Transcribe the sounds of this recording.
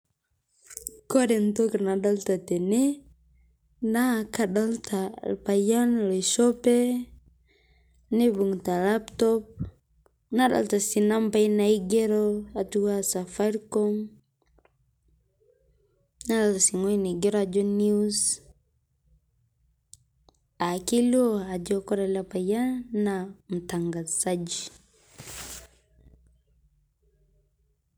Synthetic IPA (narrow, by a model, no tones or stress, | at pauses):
kɔdɛnt̪ɔknaɗalt̪at̪ɛnɛ | nakaɗalt̪ʰalpajanlɔisɔpɛ | nibuŋt̪alapt̪ɔp̚ | naɗa̰lt̪asinampainaiɡɛɾɔatuwasafaɾkɔm | naɾaltasiŋɔinaɡɛɾɔad͡ʒɔniuz | akilɔad͡ʒɔkɔɾalapajanam̩taŋɡaz̥ad͡ʒi